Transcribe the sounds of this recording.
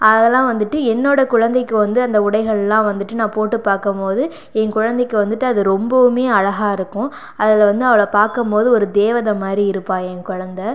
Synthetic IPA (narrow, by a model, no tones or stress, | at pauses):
ɐɐðɛlːãːʋɐnd̪ɯʈːɯɛnːoːɽɐkʊɻɐnd̪ɛɪkːɯʋɐnd̪ɯɐnd̪ɐʊɽɐɪɣɐɭɛlːãːʋɐnd̪ɯʈːɯnãːpoːʈːɯpaːɾkɐmpoːðɯ | ɛnkʊɻɐnd̪ɐɛkːɯʋɐnd̪ɯʈːɯɐðɯɾɔmbɐʋɯmeːɐɻɐɣaːɪɾɯkːʊ̃ | ɐðɪlʋɐnd̪ɯɐʋɐɭɐpaːɾkɐmpoːðɯɔɾɯd̪eːʋɐðɐmaːd̪ɾiɪɾɯpːãːɛnkʊɻɐnd̪ɐ